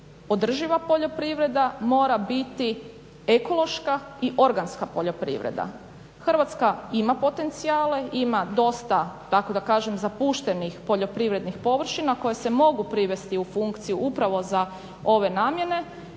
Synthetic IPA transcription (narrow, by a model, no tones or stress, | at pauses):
o̞d̪r̩ʒiʋapo̞ʎo̞pɾiʋɾe̞d̪amo̞ːɾabit̪i | e̞ko̞lo̞ʃkaiʔo̞ɾɡanskapo̞ʎopɾḭʋɾḛd̪a̰ | xrɾʋat̪skaimapo̞t̪e̞nt̪siaːle̞imad̪o̞st̪at̪ako̞d̪akaːʒemzapuʃt̪e̞nixpo̞ʎo̞pɾiʋɾe̞d̪nixpo̞ʋr̩ʃinako̞jese̞mo̞ɡupɾiʋe̞st̪iufuŋkt̪sijuʔupɾaʋo̞za | o̞ʋe̞naːmje̞ne̞